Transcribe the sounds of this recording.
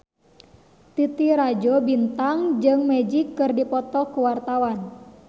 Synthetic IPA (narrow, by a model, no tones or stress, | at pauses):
t̪it̪iɾad͡ʒobint̪aŋd͡ʒɨŋmɛd͡ʒikːɨrdipɔt̪ɔkuwart̪awan